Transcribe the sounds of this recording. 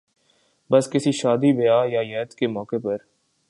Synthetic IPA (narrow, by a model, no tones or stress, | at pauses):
bɐskɪsiʃaːd̪ibɐjaːjajɛːt̪kemɔːkepɐɾ